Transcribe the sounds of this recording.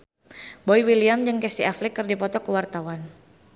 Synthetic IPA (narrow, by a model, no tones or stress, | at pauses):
bɔiwiliamd͡ʒɨŋkɛsiʔaflikɨrdipɔt̪ɔkəwart̪awan